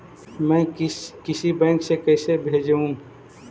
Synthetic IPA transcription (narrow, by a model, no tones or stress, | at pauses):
mɛ̃ːkɪsibɛ̃ːŋksekɛːsebʱeːd͡ʒũ